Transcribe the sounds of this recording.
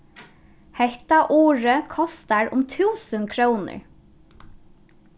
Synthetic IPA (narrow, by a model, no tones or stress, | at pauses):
hɛht̪ɑʔuːɹəkʰɔst̪ɑɹʊ̰mt̪ʰʉːsənkʰɹuːnə̰ɹ